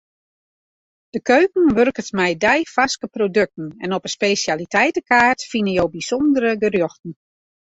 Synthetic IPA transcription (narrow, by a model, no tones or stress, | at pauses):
d̥əkøɥkn̩ʋørkətmɛjdɛjfaskəprodøk̚tn̩ɛ̰nɔpəspejsjalitʰɛjtəkaːrtfinəjowbisɔndəɾəɡərjɔxtn̩